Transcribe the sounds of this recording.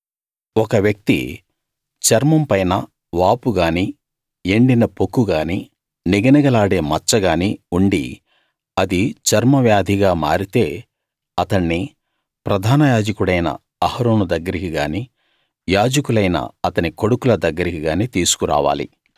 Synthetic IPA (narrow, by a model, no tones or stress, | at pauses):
ɔkɐʋjɐk̚t̪ḭ | t͡ʃɐɾmɐmpɐjnɐ | ʋaːpuɡaːni | eɳɖinɐpokːuɡaːni | niɡɐnɐɡɐlaːɽe̞ːmɐt͡ʃːɐɡaːniuɳɖḭ | ɐd̪it͡ʃɐɾmɐʋjaːd̪ʱiɡaːma̰ːɾit̪e̞ː | ɐt̪ɐɳːi | pɾɐd̪ʱaːnɐjaːd͡ʒɐkuɽɐjnɐ̰ | ɐhɐɾoːnud̪ɐɡːɐɾikiɡaːni | jaːd͡ʒɐkulɐjnɐ̰ɐt̪ɐniko̞ɽukulɐd̪ɐɡːɐɾikiɡaːniːt̪iːsu̥kuɾa̰ːʋa̰ːlḭ